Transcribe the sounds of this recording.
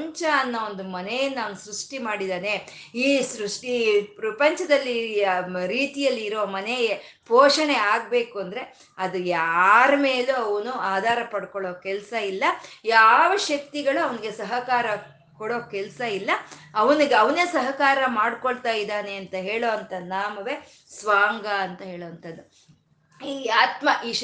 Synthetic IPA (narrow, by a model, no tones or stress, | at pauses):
ɲt͡ʃɐːnːɐo̞nd̪umɐnejɐnːaːnsɾuʂʈimaːɽid̪aːne̞ | iːsɾuʂʈipɾɐpɐɲt͡ʃɐd̪ɐlːi | ɾiːt̪ijɐlːiːɾoːmɐnejepoːʂɐɳeaːɡ̚be̞ːkuɐnd̪ɐɾe̞ | ɐd̪ujaːɾɐme̞ːluɐʋɐnuaːd̪ʱaːɾɐpɐɽkoɭoːkɛlsɐilːɐjaːʋɐʃɐk̚t̪iɡɐɭuɐʋɐniɡe̞sɐɦɐkaːɾɐ | kɔɽoːkɛlsɐilːɐɐʋɐniɡeɐʋɐnesɐɦɐkaːɾɐmaːɽkoɭt̪aːjid̪aːneɐnt̪ɐɦeːɭoːɐnt̪ɐnaːmɐʋe̞ | sʋaːŋɡɐɐnt̪ɐɦeːɭoːɐnt̪ʰɐd̪ːu | iːaːt̪mɐʔiːʃ